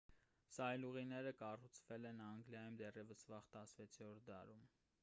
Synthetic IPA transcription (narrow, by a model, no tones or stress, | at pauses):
sɑjluʁinɛɾəkɑrut͡sʰvɛlɛnɑŋɡljɑjumd̪ɛrjɛvəsvɑχt̪ɑsvɛt͡sʰɔɾʰd̪ɑ̰ɾum